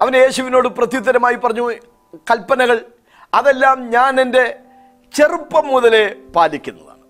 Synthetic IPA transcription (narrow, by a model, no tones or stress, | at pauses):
ɐʋɐnje̞ːɕuʋino̞ːɽɨprɐt̪jut̪ːɐɾɐmaːjipɐrɐɲːu | kɐlpɐnɐɣɐɭ | ɐðe̞lːaːmɲaːne̞nde̞ | t͡ɕe̞rupːɐmːuðɐle̞paːlikʲːunːɐ̰ðɐ̰